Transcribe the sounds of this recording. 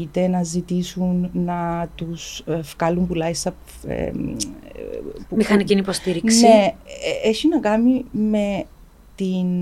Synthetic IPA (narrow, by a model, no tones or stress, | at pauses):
it̪e̞nɐzit̪isunːɐt̪usfkɐlumpulɐist̪ɐ | ḛ | pumixɐniinipost̪iɾiksnieeçinɐkɐnime̞ | t̪in